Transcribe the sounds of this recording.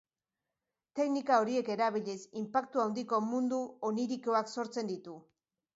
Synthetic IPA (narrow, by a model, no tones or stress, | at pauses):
t̪e̞knikao̞ɾie̞ke̞ɾaβ̞iʎesimpak̚t̪uawnd̪iko̞mund̪uoniɾiko̞akso̞ɾt͡se̞nd̪it̪u